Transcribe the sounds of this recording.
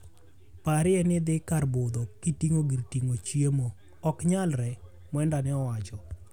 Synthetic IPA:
paɾɪɛnɪd̪ɪkarbod̪okitiŋoɡiɾtiŋot͡ʃjemo | ɔkɲalɾɛ | mwɛndanɛɔwat͡ʃɔ

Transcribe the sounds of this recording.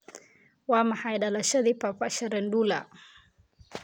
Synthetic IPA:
wamahajɗalaʃaðipapaʃaɾɛndula

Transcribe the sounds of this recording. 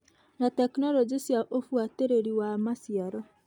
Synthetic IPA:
natɛknɔlɔd͡ʒisjaʔofuateɾeɾiwamasiaɾɔ

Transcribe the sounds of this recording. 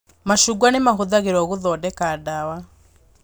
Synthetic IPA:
maʃuɡwanemaɦuðaɣeɾɔɣuðɔdɛkadawa

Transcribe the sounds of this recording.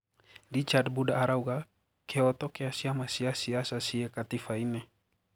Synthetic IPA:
dit͡ʃad̚budaːɾauɡa | keɔt̪okeasiamasiasiasasiekat̪ifaine

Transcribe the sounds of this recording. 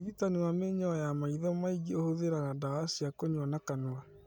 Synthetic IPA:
ðitaniwameɲɔɔjamaiðɔmaiɡiohoðeɾaɣadaːsiakoɲwanakanoa

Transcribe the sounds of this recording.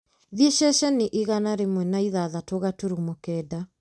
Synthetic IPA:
ðieʃɛʃɛniʔiɣanaɾemwɛnaiðaðatoɣatuɾumokɛːda

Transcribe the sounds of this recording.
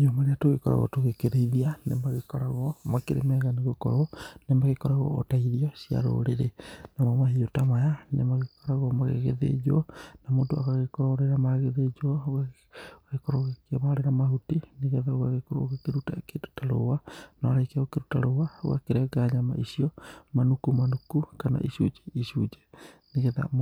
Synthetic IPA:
ɲomaɾeatoɣekɔɾa̰ɣɔ̰toɣekeɾeiðianḛmaɣekɔɾaɣɔmakeɾḛmɛɣaneɣokɔ̰ɾonemaɣekɔɾaɣɔ̰otaiðiɔsia̰ɾo̰ɾeɾenamɔmahiotamajanḛmaɣekɔɾaɣɔmaɣḛɣḛðḛd͡ʒɔnamoːndoa̰ɣaɣekoɾaoɾeɾamaɣeðed͡ʒɔɣa | ɣekoɾoɣekeβaɾeɾamahutineɣeðaoɣaɣekoɾo̰ɣekeɾuta̰kedu̥taɾo̰wanaɾakaɣokeɾutaɾowao̰ɣa̰keɾɛɡaɲama̰ʔisiɔmanukumanukukana̰ʔisud͡ʒeisud͡ʒɛneɣeða̰

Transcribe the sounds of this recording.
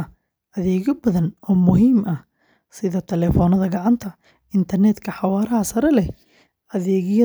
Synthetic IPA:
ɐ | ʔɐðɛːɣɐbɐðɐnɔːmʊɦiːmɐh | sɪðɐt̪ʰɛlɛːfɔːnɐðɐɡɑʕɑnt̪ʰɐ | ɪnt̪ʰɐrnɛd̪kʰɐħɑwɑːɾɐhɐsɐɾɛlɛh | ʔɐðɛːɣɪjɐ

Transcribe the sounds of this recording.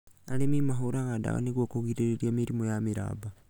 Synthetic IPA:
alemimaɦoɾaɣada̰ɣa̰niɡwokuɣiɾeɾeɾiamiɾimojamiɾa̰ːba

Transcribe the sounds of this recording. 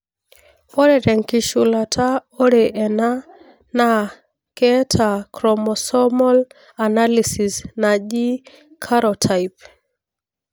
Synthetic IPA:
fɔɾɛɾɛŋkiʃulatʰaɔɾɛʔɛna | na | kɛtʰakɾɔmɔsɔmɔl | analisisnaʄi | kʰaɾɔtʰajp

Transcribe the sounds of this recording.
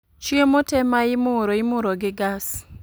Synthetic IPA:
t͡ʃiemɔtɛmaɪmʊɾoɪmʊɾoɡɪɡas

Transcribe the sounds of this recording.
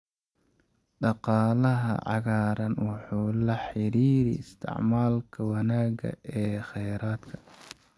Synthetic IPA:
ɖɑqɑːlɐɦɐ̰ʕɑ̰ɣaːɾɐnwɑħuːlɐħɪɾiːɾḭɪst̪ʰɪ̰ʕmaːlkʰɐwɑnaːɡɐ̰ɛːχɛjɾaːd̪kʰɐ̥

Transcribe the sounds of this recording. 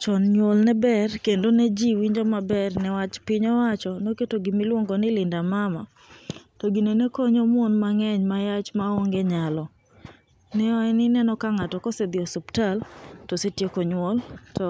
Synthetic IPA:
t͡ʃɔnɲwolnɛbɛrkendonɛd͡ʒiwiɲd͡ʒɔmabɛrnɛwat͡ʃpɪɲɔwat͡ʃɔnoketoɡɪmɪlwoŋɡonɪlɪndamama̰ | toɡinenekoɲomonmaŋɛɲmajat͡ʃmaoŋɡeɲalɔ | nɛɔɛnɪnɛnɔkaŋatɔkɔsed̪ɪɔsuptaltosetjekoɲwoltɔ

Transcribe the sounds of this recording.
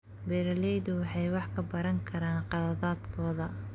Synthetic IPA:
bɛɾɐlɛjðʊwɑħɑjwɑħkʰɐbɐɾɐŋkʰɐɾaːnqɑðɐðaːd̪kʰɔːðɐ

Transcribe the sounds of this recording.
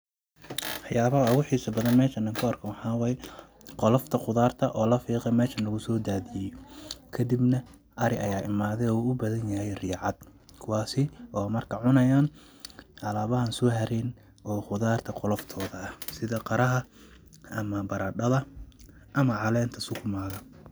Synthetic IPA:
ɑħjaːβɐɦɐʊɣʊħiːsɐbɐðɐnmɛːʃɐnɐŋkʰʊɐrkʰɐwɑħɑːwɛjɛ | qɔlɔft̪ʰɐqʊðaːrt̪ʰɐʔɔːlɐfiːqɛmɛːʃɐnlɐɣʊsɔːd̪aːðɪjɛkʰɐd̪ibnɐ | ʔɐɾɪʔɐjaːʔɪmaːðɛɔuːʊbɐðɐnjɐɦɛjrɪːʕɑd̪̥ | kʰʊwɑːsɪʔɔːmɐrkʰɐʕʊnɐjaːn | ʔɐlaːβɐɦɐnsɔːɦɐɾɛːn | ʔɔːqʊðaːrt̪ʰɐqɔlɐft̪ʰɔːðɐɐhsɪðɐqɑɾɐɦɐ | ʔɐmɐbɐɾɐːɖɐðɐ | ʔɐmɐʕɑlɛːnt̪ʰɐsʊkʰʊmaːðɐ

